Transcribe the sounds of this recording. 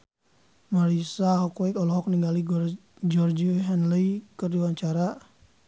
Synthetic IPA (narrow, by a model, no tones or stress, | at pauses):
maɾisaɦɔkwɛkɔlɔɦɔk̚niŋɡali | d͡ʒɔrd͡ʒiɦɛnlikərdiwaɲt͡ʃaɾa